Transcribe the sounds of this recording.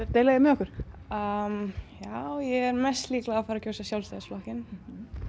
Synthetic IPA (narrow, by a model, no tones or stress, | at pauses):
ɛɾt̪eːjlaɣɪmɛðɔhkʏɾ̥əmjawjɛɣɛɾmɛst̪liːklaðafaːɾacowsasjawlst̪ajðɪsflɔhcɪn